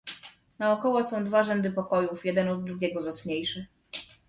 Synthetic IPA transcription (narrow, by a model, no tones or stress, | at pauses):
naɔkɔwɔsɔ̃w̃d̪vaʐɛnd̪ɘpɔkɔjufjɛd̪ɛnɔd̪̚ːɾuɡʲɛɡɔzat̪sɲejʂɘ